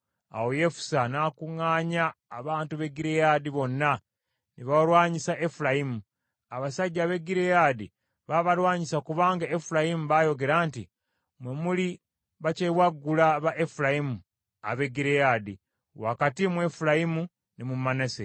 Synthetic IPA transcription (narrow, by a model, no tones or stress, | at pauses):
a̰woje̞fu̥sanaːkuŋaːɲaːβaːntuβe̞ɡiɾejadiβo̞nːa | niβalwaːɲisaʔe̞fulajimu | aβasaɟːaβe̞ɡiɾejadi | βaβalwaːɲisakuβaːŋɡaefuɾajimuβajo̞ɡe̞ɾaːnti | mwemuli | βacewaɡːulaβaʔefuɾajimu | a̰βe̞ɡiɾejadi | wakatimwe̞fulajimu | nimumːanese